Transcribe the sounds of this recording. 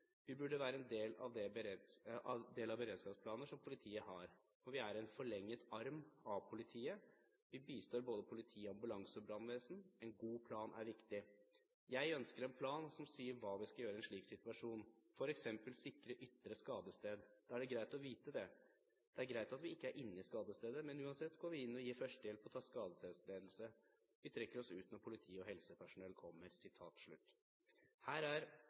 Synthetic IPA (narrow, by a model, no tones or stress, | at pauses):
ʋɪbʉɖːəʋæːɾəɛnd̪eːlɑ̰ʋd̪ɛ | d̪eːlɑbəɾeːd̪skɑːpspʰlɑːnəʂɔmpʰʊlɪt̪ʰiːəɦɑɾ | fɔʋɪæɾɛnfɔɭɛŋːət̪ɑɾmɑpʰʊlɪt̪ʰiːə | ʋɪbiːst̪oːɾboːd̪əpʰʊlɪt̪ʰiːəɑmbʉlɑŋsəɔbɾɑnʋeːsn̩ɛnɡuːpʰlɑːnʔæ̰ɾʋɪkt̪ɪ | jæɪœnskəɾɛnpʰlɑːnsɔmsiːəɾʋɑːʋɪskɑljøːɾəɛnʂɭiːksɪt̪ʉɑʂuːnfɔɾɛksɛmpəlsɪkːɾəʔʏt̪ːɾəskɑːd̪əst̪eːd̪d̪̥ɑːæɖɛɡɾæɪt̪ɔʋiːt̪əd̪ɛ | d̪̥ɛæɾɡɾæɪt̪ɑt̪ʋɪɪkːəæɾʔɪnːəɪskɑːd̪əst̪eːd̪əmɛnʉːɑnsɛt̪ːɡoːɾʋɪɪnːɔjiːfœʂʈd̪eːlpʰɔɔt̪ʰɑːskɑːd̪əst̪eːd̪sleːd̪l̩sə | ʋɪt̪ʰɾɛkːəɾɔsʉːt̪nɔɾpʰʊlɪt̪ʰiːɔɦɛlsəpʰæʂʊnɛlːkʰɔmːəɾsɪt̪ʰɑ̰ːt̪ʂɭʉ̰t̪ː | hæːɾæɾ